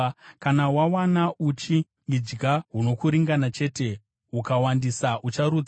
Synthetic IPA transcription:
kanawawanaʔut͡ʃi | id͡ʒɡaɦuno̞kuɾiŋɡanat͡ʃe̞ːte̞ | ukawandisaʔut͡ʃaɾud͡z

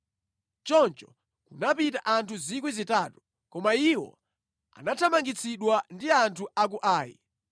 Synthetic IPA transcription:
t͡ʃɔnt͡ʃɔ̥ | kunapitaʔantʰuzik̬wizitaːtu | kɔmaiwɔ̰ | a̰natʰamaŋɡit͡sʰiɗwandiantʰuak̬uʔaːjḭ

